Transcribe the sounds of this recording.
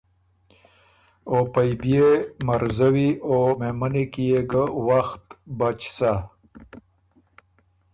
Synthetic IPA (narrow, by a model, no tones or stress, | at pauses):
opajbjemaɾzawiomemənekijeɡəwaxt̪bat͡ʃsa